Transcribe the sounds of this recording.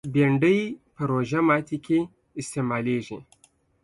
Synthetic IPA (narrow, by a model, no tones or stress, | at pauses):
beɳɖəjpəɾoʒamɑt̪ikʰe | ɪst̪emɑleʐi